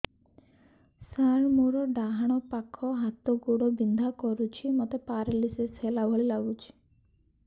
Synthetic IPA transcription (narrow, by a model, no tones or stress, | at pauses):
saɾmoɾɔɖaɦaɽ̃ɔpakʰɔɦat̪ɔɡoɽɔbind̪ʱakɔɾut͡ʃʰimɔt̪epaɾeliseshelabɦɔlilaɡut͡ʃʰi̥